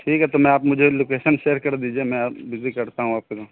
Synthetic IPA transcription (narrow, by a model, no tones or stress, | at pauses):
ʈʰiːkɦɛt̪omɛ̃aːpmʊd͡ʒʱeloːkeːʃənʃeːɾkɐɾd̪iːd͡ʒiemɛ̃abɪzikɐɾt̪aɦũaːp̚keko